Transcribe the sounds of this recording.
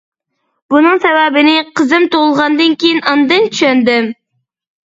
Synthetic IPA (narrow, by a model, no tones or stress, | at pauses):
bunɨŋsɛwæbɪnɪqʰəzɨmt̪olˠʁɑnd̪ɨnkʲʰejinɑnd̪ɨnt͡ʃʰy̥ʃɛnd̪ɪm